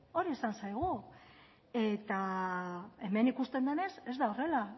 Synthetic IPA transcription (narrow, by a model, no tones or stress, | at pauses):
o̞ɾiesansajɣ̞u | e̞t̪a | e̞me̞nikust̪e̞nd̪uene̞se̞zd̪ao̞re̞la